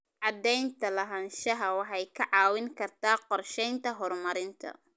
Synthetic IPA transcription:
ʕɑd̪ɛjnt̪ʰɐlɐɦɐnʃɐɦɐwɑħɑjkʰɐʕɑːwɪŋkʰɐrt̪ʰaːqɔrʃɛjnt̪ʰɐɦɔrmɐɾɪnt̪ʰɐ̰

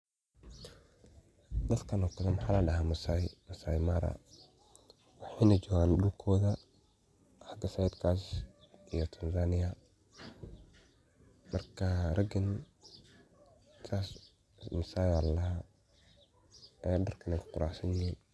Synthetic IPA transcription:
d̪ɐd̪kʰɐnɔːkʰɐðɐmɑħaːlɐɖɐɦaːmɐsajmɐsajmaːɾɐ̰ | wɑħɑjnɐd͡ʒɔːɣaːnɖʊlkʰɔːðɐ | ħaɡɐsajd̪kʰaːs | ʔijɔt̪ʰɐnsaːnɪjɐ | mɐrkʰɐrɐɡɪn | t̪ʰaːs | mɐsaːjallɐha | ɛːɖɐrkʰɐnɛjkʰʊ̥qʊɾaħsɐnjɪhiːn

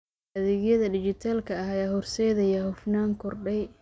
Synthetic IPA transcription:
ɐðɛːɣjɐðɐdɪt͡ʃɪt̪ʰaːlkʰɐɐɐjaːhɔrsɛːðɐjahʊfnaːŋkʰɔrɖɛj

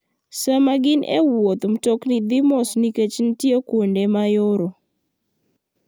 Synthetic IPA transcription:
samaɡɪnʔḛwot̪mtɔknid̪ɪmɔsniket͡ʃntjekwondemajoɾo

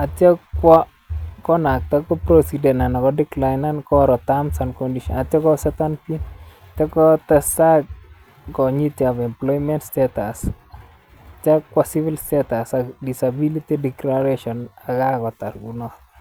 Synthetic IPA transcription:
atjawa | kɔnak̚t̪akɔpɾosidɛnanakɔdɪklajnankɔɾɔtamsankɔndiʃɔ̰nat̪jɔkɔsɛt̪anpin | t̪akɔt̪ɛsak̚ | kɔɲitiapɛmplɔjmɛntstɛtas | takwasivɪlstetasakdisabilitidɛklaɾeʃɔnakakɔt̪a̰ɾɡunɔ

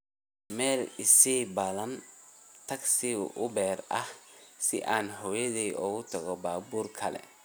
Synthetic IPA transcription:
mɛːlɪsibɐðɐnt̪ʰɐɡsɪ̰ʔʊbɛːɾɐhsɪ̰ʔaːnɦɔjɐðɛjʔɔːɣʊt̪ʰɐɣɔbaːbuːrkʰɐlɛ̰

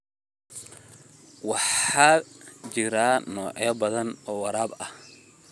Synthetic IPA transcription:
wɑħaːt͡ʃɪɾaːnɔːʕɔbɐðɐnɔːwɐɾaːbɐh

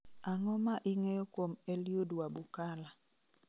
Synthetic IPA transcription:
aŋɔmaʔiŋɛjɔkwomeljodwabukala

